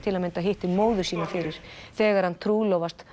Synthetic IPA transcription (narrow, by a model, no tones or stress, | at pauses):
t̪ʰɪlamɛnt̪aɦɪht̪ɪmoːwðʏ̥siːnafɪɾɪɾ̥θɛːɣaɾ̥hant̪ʰɾuːlowvast̪